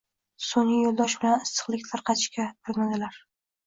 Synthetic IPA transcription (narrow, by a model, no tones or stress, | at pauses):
soŋlɪjolˠd̪ɒʃbɪlanɪst̪ɨ̥qlˠɪkʲt̪ʰaɾqʰɑt̪ʰɪ̥ʃkʲabɪɾmad̪ɪlaɾ